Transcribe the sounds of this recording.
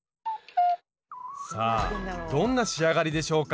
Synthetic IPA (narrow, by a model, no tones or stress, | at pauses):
saːd̪õ̞nːaɕiaɡaɾʲid̪e̞ɕo̞ːka